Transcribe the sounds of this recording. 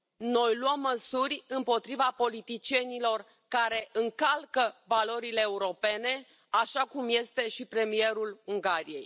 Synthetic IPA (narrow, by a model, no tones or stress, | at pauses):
no̞jluəmːəsurʲɨmpo̞t̪ɾivapo̞lit̪it͡ʃie̞nilo̞r | kaɾe̞ʔɨŋkalkəvalo̞ɾile̞ːuɾo̞pe̞ne̞ | aʃakumje̞st̪e̞ʃipɾe̞mie̞ɾuluŋɡaɾije̞̰j